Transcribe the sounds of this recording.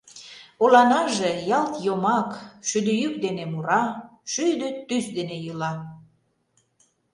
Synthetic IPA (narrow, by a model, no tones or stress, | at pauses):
olɑnɑʒejɑlt̪jomɑkʃyd̪yjyk̚d̪enemuɾɑʃyjd̪øt̪ysd̪enejulɑ